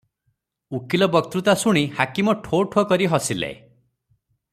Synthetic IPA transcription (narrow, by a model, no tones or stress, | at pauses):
ukilɔbɔk̚t̪ɾut̪asuɽ̃ihakimɔʈʰoʈʰokɔɾiɦɔsilḛ